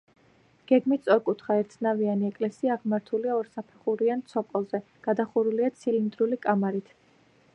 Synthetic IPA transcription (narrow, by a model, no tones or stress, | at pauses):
ɡ̥ɛɡmit̪ʰsʼɔɾkʼut̪ʰχaɛɾt̪ʰnavianiɛkʼlɛsiaːʁmaɾt̪ʰuliaɔɾsapʰɛχuɾiant̪sʰɔpʼɔlˠzɛ | ɡ̥ad̪aχuɾuliat̪sʰilind̪ɾulikʼamaɾit̪ʰ